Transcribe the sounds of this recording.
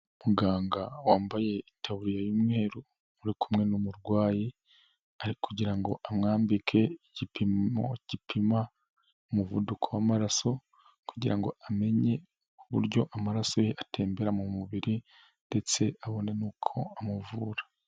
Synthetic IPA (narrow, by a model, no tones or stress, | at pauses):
umuɡaːŋɡawaːmbaje̞intaβuɾijajuːmŋe̞ːɾu | uɾikʰumŋe̞numuɾɡwaːji | aikuɟiɾaŋɡo̞ʔamŋaːmbikʰe̞iɟipʰio̞̰iɟ̥ipʰima | umuvudukʰowamaɾaso̞ | kuɟiɾaŋɡo̞̰ame̞ɲe̞ | uβṵɾɟo̞ʔamaɾasojeʔatʰe̞ːmbe̞ɾamumuβiɾi | nde̞t͡se̞aβo̞ne̞nukʰo̞amuvuːɾa